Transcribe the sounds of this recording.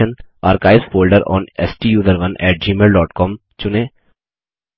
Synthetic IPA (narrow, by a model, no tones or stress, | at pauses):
əna̰ːɾkaːɪsfoːlɖəɾɔ̰̃ːnɛsʈiːjuːzəɾʋɐ̃nɛːʈ̚d͡ʒiːmeːlɖɔːʈkɔːm | t͡ʃʊnẽː